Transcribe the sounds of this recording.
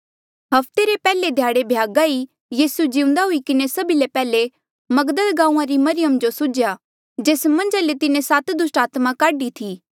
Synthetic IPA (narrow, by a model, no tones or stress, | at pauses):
ɦɐpt̪eɾepɛːled̪ʱjaːɽebʱjaːɡai | jiːsud͡ʒɪ̃ʊ̃nd̪aɦʊikɪnesɐbilepɛːle | mɐɡd̪əlɡãːũːãɾimɐɾɪjəmd͡ʒosʊd͡ʒja | d͡ʒeːsmɐ̃nd͡ʒalet̪ɪnẽsat̪d̪ʊsʈaːt̪mãkaːɖit̪ʰiː